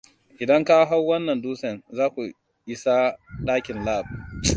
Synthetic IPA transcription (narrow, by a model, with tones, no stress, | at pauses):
ʔɪ˨dɐ˦ŋka˦ɦa˦wːɐ˦nːɐ˨nduː˦sɐ˨nzaː˦kʷu˨ | ʔɪ˦sa˦ɗaː˦kʲɪ˨nlaː˦˨b̚